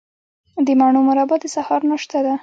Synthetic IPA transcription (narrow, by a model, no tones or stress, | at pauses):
d̪əmaɳumʊɾɑbad̪əsahɑɾnaʃt̪ad̪a